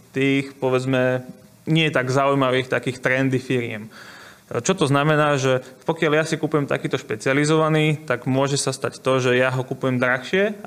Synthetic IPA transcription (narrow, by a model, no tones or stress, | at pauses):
t̪iːxpɔʋɛd͡zmɛ | ɲɪɛjɛt̪aɡzaujmaʋiːxt̪akiːxt̪ɾɛnd̪ifiɾɪɛ̰m | t͡ʃɔt̪ɔznamɛnaːʒɛpɔkɪaljasikupujɛmt̪a̰kiːt̪ɔʃpɛt͡sializɔʋaniːt̪aɡmʊɔʒɛsast̪act̪ɔʒɛjaɦɔkupujɛmd̪ɾaxʃɪɛ